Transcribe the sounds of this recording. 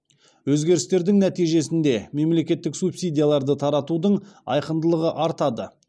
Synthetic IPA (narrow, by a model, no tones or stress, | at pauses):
wɵzɡʲe̞ɾɪst̪e̞ɾd̪ɪŋnæt̪ijʒe̞sɪnd̪e̞me̞mle̞kʲe̞t̪ːɪksupsijd̪ʲijalˠɑɾd̪ət̪ʰɑɾɑt̪ud̪əɴɑ̰jqənd̪əlˠəʁəʔɑɾt̪ɑd̪ə